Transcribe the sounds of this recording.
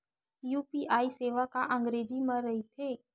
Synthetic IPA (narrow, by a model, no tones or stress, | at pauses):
juːpiʔaːiseːʋakaʔə̃ŋɡɾeːd͡ʒimɐɾːəɦit̪ʰeː